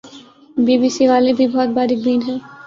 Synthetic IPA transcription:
biːbiːsiʋaːlebʱibɔːt̪̚baːɾɪk̚biːnɦɛ̃ː

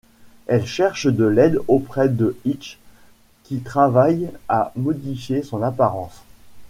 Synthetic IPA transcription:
ɛlʃɛʁʃd̪əlɛd̪opχɛd̪əit͡ʃ | kʲit̪χavajamɔd̪ifjesɔ̃napaʁɑ̃s

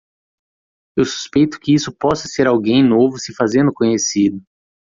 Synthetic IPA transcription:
ewsu̥spejt̪ʊ̥kɪisʊpɔsɐseɾawɡẽj̃novʊsɪfazẽnd̪ʊkõɲesid̪ʊ

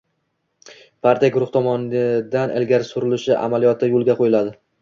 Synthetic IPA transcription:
pʰaɾt̪ijaɡʊɾʊχt̪ʰɒmɒnd̪anʔɪ̰lɡʲaɾɪsʊɾɪlɪʃɪʔa̰malijɒt̪ʰːɪjolˠɡʲaqʰojɪlad̪ɪ

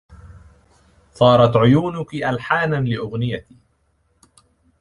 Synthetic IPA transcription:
θˤɑːɾˤɑt̪ʕʊjuːnʊkiʔalħaːnanlɪʔʊɣnɪjat̪iː

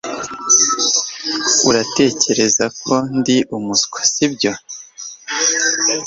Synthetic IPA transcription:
uɾate̞ːce̞ɾe̞zakʰo̞ndiʔumuskʰḁsibɟo̞

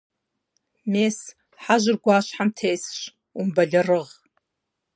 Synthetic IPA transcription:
mes | ħaʒʷɨrɡʷaːʃʷħamtʰejsʃʷ | umbaɮʲarɨʁ

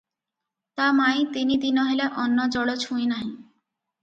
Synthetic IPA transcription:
t̪amajt̪inid̪inɔɦelaʔɔnːod͡ʑɔɽot͡ɕʰuenaɦĩ

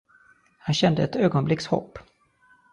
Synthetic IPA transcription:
hanɕɛnd̪əɛt̪øːɡɔnblɪkshɔ̰pː

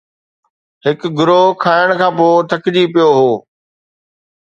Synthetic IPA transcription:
ɦhɪkɡʊɾokʰaːɪɽ̃kʰãːpoːt̪ʰɐkd͡ʑiːpijoɦoː

